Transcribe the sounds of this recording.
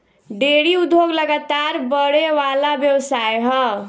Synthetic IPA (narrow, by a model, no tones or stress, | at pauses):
ɖeɽiud̪ʱːoɡləɡat̪aɾbəɽeʋalabjəwsajɦʌ